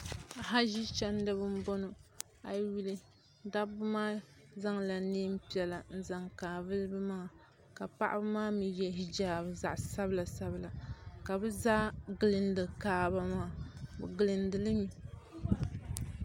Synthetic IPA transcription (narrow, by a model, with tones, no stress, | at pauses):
a˨ɦa˦ʒi˦t͡ʃa˦n˦dɨ˦bɨ˦m̩˦bɔ˦no˨ | a˨˦ɥi˦lɨ˦ | da˦bʊ˦maː˦ | za˦ŋla˨neː˦m˦pi˦ɛ˨la˨n̩˦za˨ŋkaː˨vɨ˦lɨ˦bɨ˦ma˦˨ | ka˨pa̰˦ʔa̰˦bɨ˦maː˦mi˨jɛ˨˦ɦi˦d͡ʒaː˨bɨ˨za˨ʔsa˦bɨ˦la˨sa˦bɨ˨la˨ka˨bɨ˦za˦ɡɨ˨lɨ˨ndɨ˨kaː˨ba˨ma˦˨bɨ˨ɡɨ˨lɨ˨ndɨ˨lɨ˦mi˨